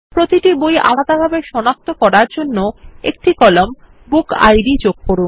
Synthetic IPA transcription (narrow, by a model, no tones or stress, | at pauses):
pɾot̪iʈibojʔa̰lad̪abʱabeʃɔnak̚t̪okɔɾaɾd͡ʑonːoek̚ʈikɔlom | buka̰jɖid͡ʑoɡ̚koɾun